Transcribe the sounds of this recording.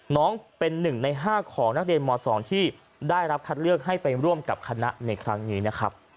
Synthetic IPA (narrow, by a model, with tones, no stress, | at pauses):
nɔː˦˥ŋpe˧nːɯ˨˩ŋna˧jɦaː˥˩kʰɔː˩˦ŋna˦˥k̚ɾi˧ənmɔː˧sɔː˩˦ŋt̪ʰiː˥˩ | daː˥˩jɾa˦˥p̚kʰa˦˥t̪̚lɯ˥˩ək̚ɦa˥˩jpa˧jɾu˥˩əmka˨˩p̚kʰa˧na̰˦˥ʔna˧jkʰɾa˦˥ŋniː˦˥na˦˥kʰɾa˦˥p̚